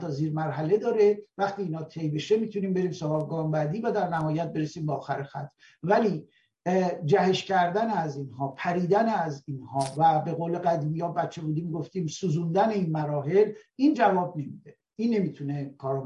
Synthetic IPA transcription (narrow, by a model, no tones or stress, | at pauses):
t̪ɒziːɾmæɾɦæle̞d̪ɒːɾevæxt̪iːnhɒːt̪ʰe̞jbe̞ʃemiːt̪ʰuniːmbe̞ɾiːmsovɒbɡɒːmbæd̪iːvæd̪æɾnæhɒːjæt̪̚be̞ɾesiːmbeɒːxæɾexæt̪ʰː | væliː | d͡ʒæheʃcʲʰæɾd̪æneæziːnhɒːpʰæɾiːd̪æneæzinhɒːvæbe̞ɣoːle̞ɡæd̪iːmijɒːbæt̪t͡ʃʰe̞buːd̪iːmɡoft̪iːmsuːzund̪æne̞iːnmæɾɒːɦe̞lind͡ʒævɒːb̚nemid̪̥e | inːe̞miːt̪ʰunekʰɒːɾ